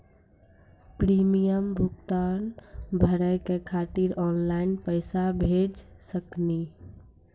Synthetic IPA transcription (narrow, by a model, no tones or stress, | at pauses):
pɾimijəmbʱuɡt̪anbʱəɾəjkekʰat̪iɾɔnlaɪnpəɪsabʱed͡ʒsəkni